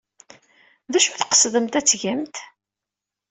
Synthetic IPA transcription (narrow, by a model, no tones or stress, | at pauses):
ðæʃuθqə̥sðəmt̪æt͡sːʝæmt̪